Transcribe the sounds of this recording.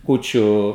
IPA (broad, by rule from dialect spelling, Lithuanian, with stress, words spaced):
ˈkuːt͡ʃʲʊ